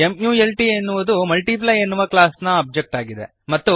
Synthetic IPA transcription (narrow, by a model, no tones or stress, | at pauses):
emjuːelʈienːuʋud̪umɐlʈip̬lɐjenːuʋɐklaːsnɐɐb̚d͡ʒek̚ʈaːɡid̪e̞̰ | mɐt̪ːu